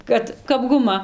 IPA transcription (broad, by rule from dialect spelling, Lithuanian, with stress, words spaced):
ˈkɐt kɐp ɡʊˈmɐ